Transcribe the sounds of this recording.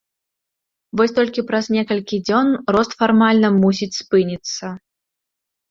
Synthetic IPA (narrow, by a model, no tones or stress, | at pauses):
vɔsʲt̪ɔlʲkʲipɾɐznʲɛkɐlʲkʲid͡zʲɔnrɔst̪farmalʲnɐmusʲit͡sʲspɨnʲit̪sːɐ